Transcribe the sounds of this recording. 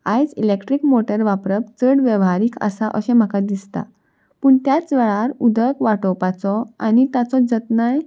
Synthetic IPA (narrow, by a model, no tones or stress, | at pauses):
ajd͡zilekʈɾikmoʈəɾʋapɾəp̚t͡səɽʋjəʋɦaɾiːkʰə̰saʔəɕɛ̃m̤əkad̪ist̪a̰ | pəːɳt̪jat͡sʋeɭaɾud̪ʱəkʋaʈɔpat͡sɔanit̪at͡sɔd͡zət̪naj